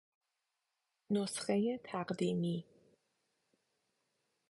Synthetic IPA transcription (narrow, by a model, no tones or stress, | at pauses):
nosxejet̪ʰæqd̪imi